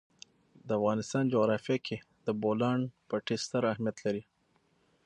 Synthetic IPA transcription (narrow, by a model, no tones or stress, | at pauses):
d̪əafɣɑnɪst̪ɑnd͡ʒoɣɾɑfjakʰe | d̪əbolɑɳpəʈɪst̪aɾahmijat̪laɾi